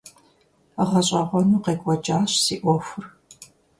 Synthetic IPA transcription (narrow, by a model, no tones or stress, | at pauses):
ʁɐɕʼɐʁʷɔnuːqeːkʷʼɔd͡ʒʼaːɕsiːʔʷɔfʊr